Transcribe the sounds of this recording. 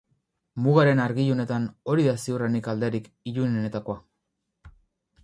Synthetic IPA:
muɣaɾe̞naɾɣiʎone̞t̪ano̞ɾiðasiuranikald̪eɾik | iʎuneone̞t̪ako̞a

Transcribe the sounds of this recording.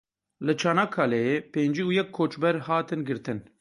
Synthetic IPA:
lɨt͡ʃʰaːnaːkʰːaːlɛjeːpeːnd͡ʒiːujɛkʰːoːt͡ʃbɛɾhɑːt̪ɨnɡɨɾt̪ɨn

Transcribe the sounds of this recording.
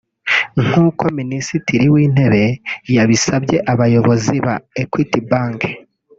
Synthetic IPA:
ŋ̥huːko̞minisitiɾiwiːn̥e̞βe̞jaβisabɟe̞ʔaβajo̞βo̞ziβa̰ekwiːtibaːŋɡe

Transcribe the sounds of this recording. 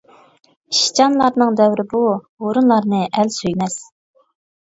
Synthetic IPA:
ʃi̥t͡ʃɑnlˠɑɾnɨŋd̪ɛwɾɪbu | oɾunlˠɑɾnɨʔælsyjmɛs

